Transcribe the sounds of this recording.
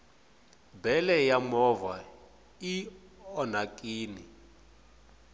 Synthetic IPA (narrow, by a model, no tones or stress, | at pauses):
bɛlɛjamɔva | i | ɔnakʼiːni